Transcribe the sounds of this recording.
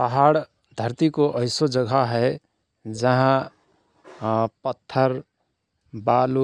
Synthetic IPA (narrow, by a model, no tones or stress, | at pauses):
pəɦaɽ | d̪ʱəɾt̪ikoʔəɪsod͡ʒəɡʱaɦɛ | d͡ʒəɦã | pət̪ʰːəɾ | balu